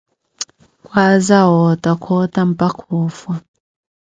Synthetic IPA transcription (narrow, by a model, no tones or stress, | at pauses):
kʼwazaɦɔtʼakʰɔtʼam̩pʼakʰuːfwa